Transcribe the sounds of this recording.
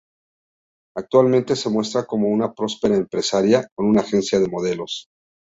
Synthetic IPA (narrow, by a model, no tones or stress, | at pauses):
ak̚t̪walmẽnt̪e̞se̞mwe̞st̪ɾako̞mo̞unapɾo̞spe̞ɾaempɾe̞saɾjako̞nunaːxe̞nsjaðe̞mo̞ð̞e̞lo̞s